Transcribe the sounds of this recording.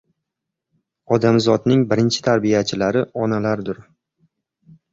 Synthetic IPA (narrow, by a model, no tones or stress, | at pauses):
ɒd̪amzɒd̪nɪŋbɪɾɪnt͡ʃʰɪ̥t̪ʰaɾbijat͡ʃʰɪlaɾɪɒnalaɾd̪ʊɾ